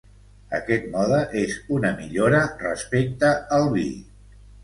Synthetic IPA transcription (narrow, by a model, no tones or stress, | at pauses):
ə̰kɛt̪̚mɔðəʔezunəmiʎoɾərəspek̚t̪əːlˠβḭ